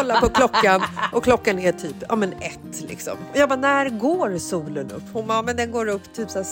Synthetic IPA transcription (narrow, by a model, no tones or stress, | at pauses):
ɔlːaɾpʰɔkʰlɔkːanʔɔkʰlɔkːanæʈʰyːpɑ̰ːmɛnɛtt̪ːlɪ̰ksɔ̰mɔjɑːɡ̚baːnæɾɡoːɾsuːlənɵ̰pːhʊnbamɛnd̪ɛnɡoːɾɵpːt̪ʰyːpsæː